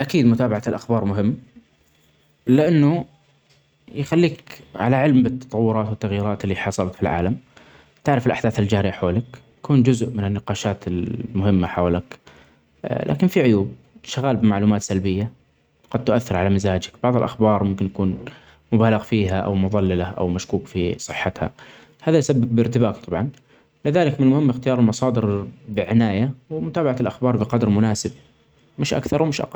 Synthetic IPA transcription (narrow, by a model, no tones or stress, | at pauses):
ʔakiːd̪mʊt̪aːbaʕat̪lʔaxbɑːɾˤmʊɦɪmː | lɪʔanːu | jxalːiːkʕalaʕɪlmbɪt̪ːɑ̥t̪ˤɑwːʊɾˤɑːt̪wɪt̪ːaɣjiːɾɑːt̪ɪlːiħɑsˤɑlɑt̪filʕa̰ːlam | t̪aʕɾɑfɪlʔaħd̪aːθɪld͡ʒaːɾɪjaħoːlak | ḁkuːnd͡ʒʊzʔmɪnɪnːɪqɑːʃaːt̪ɪlmʊhɪmːaħawlak | lʔa̰ːkɪnfiʕʊjuːb̚ | ʃaɣaːlbɪmaʕluːmaːt̪salbɪjːa | ɡ̥ɑd̪̚t̪ʊʔaθːɪɾʕalamɪzaːd͡ʒakb̥ɑʕðˤɨlʔaxbɑːɾˤmʊmkɪnjakuːn | mʊbaːlɪɣfiːɦaʔa̰wmʊðˤɑlːɪlaʔa̰wmaʃkuːkfisˤɨħːat̪ha̰ | haːðajsabːɪbːɪɾt̪ɪbaːkt̪ˤʰɑbʕɑn | lɪðaːlɪkmɪnlmʊhɪmːɪxt̪ɪjɑːɾˤɪlmɑsˤɑːd̪ɪɾbɪʕɪnaːjawmʊt̪aːbaʕaɪlʔaxbɑːɾˤbɪqɑd̪ɾmʊnaːsɪb̚ | mɪʃʔa̰kθɑɾwmɪʃʔɑ̰qɑlː